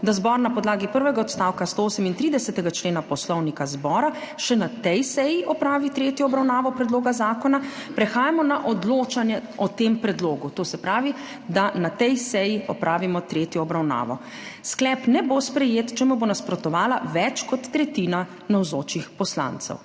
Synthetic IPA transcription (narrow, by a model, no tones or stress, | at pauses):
d̪azbɔɾnapɔd̪laːɡipəɾʋɛɡaɔt̪st̪awkast̪ooːsɛmint̪ɾiːd̪ɛsɛt̪ɛɡat͡ʃleːnapɔslɔwnikazbɔːɾa | ʃɛnat̪ɛjsɛjiʔɔpɾaːʋit̪ɾeːt̪jɔːbɾawnaːʋɔpɾɛd̪loːɡazaːkɔnapɾɛxaːjamɔnaʔɔd̪loːt͡ʃanjɛɔt̪empɾɛd̪loːɡut̪oːsɛpɾaːʋi | d̪anat̪ɛjsɛjiɔpɾʔaːʋimɔt̪ɾeːt̪jɔːbɾawna̰ːʋɔ̰ | sklɛːpnɛbospɾɛjeːt̪t͡ʃɛmubonaspɾɔt̪ɔʋaːlaʋɛt͡ʃkɔt̪ːɾɛt̪iːna | nawzoːt͡ʃixpɔsla̰nt̪sɛ̰w